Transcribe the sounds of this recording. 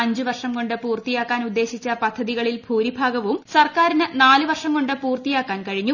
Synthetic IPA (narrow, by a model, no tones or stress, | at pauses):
ɐɲd͡ʑɨʋɐrʂɐmko̞ɳɖɨpuːrt̪ijaːkːaːnud̪ːe̞ːɕit͡ɕːɐpɐd̪ʱːɐðiɣɐɭilbʱuːɾibʱaːɡɐʋumsɐrkaːɾinɨnaːlɨʋɐrʂɐmko̞ɳɖɨpuːrt̪ijaːkːaːnkɐɻiɲːu